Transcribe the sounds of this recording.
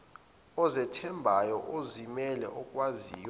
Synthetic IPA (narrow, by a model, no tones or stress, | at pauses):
ɔzɛtʰɛmbʱajɔʔozimɛlɛ̰ʔɔkʼwaziːjɔ